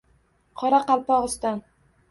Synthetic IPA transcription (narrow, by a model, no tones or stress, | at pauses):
qʰɒɾaqɑlˠpɒʁɨst̪an